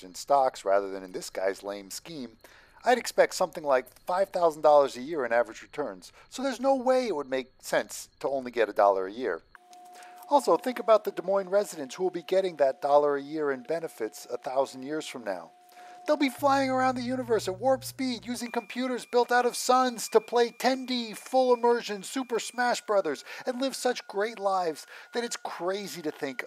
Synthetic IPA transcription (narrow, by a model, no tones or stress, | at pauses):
ɨ̃nstɑksɹæ̰ðə˞ðɨ̃nɨ̃nðɪsɡ̥a̰ɪzlḛ̃ɪ̃mskĩm | aɪɾɨkspɛk̚tsʌ̃mθɪ̃ŋlaɪkfaɪv̥θaʊzn̩dɔlˠə˞zɨjɪɹɨ̃nævɹɨd͡ʒɹitʰɜ̃˞nz̥ | soʊðə˞znoʊweɪɨt̚wəd̚meɪk̚sɛ̃nstʰəõʊ̃nliɡɛɾɨdɔ̰lˠə̰˞ɨjɪ̰ɹ | ɔlˠsoʊθɪ̃ŋkɨbaʊt̪̚ðɨdəmɔ̃ɪ̃nɹɛzɨɾɨ̃nshuwəlˠbiɡɛɾɪ̃ŋðɨt̚d̥ɔlˠə˞ɨjɪɹɨ̃nbɛnɨfɨtsəθaʊzn̩djɪɹz̥fɹʌ̃mna̰ʊ | ðeɪlˠbiflaɪɪ̃ŋə˞ãʊ̃nðɨjʉnɨvə˞sɨt̚wɔɹpspidjʉzɪ̃ŋkɨ̃m̩pʰj̥ʉɾə˞zbɪlˠtaʊɾʌv̥sʌ̃nz̥tʰəpʰl̥eɪtʰɛ̃ndifʊlˠəmɜ˞ʒɨ̃nsʉpə˞smæʃb̥ɹʌðə˞z̥ɨ̃nlɪv̥sʌt͡ʃɡ̥ɹeɪtˡlaɪvz̥ðɨɾɨtskʰɹ̥eɪziɾɨθɪ̃ŋk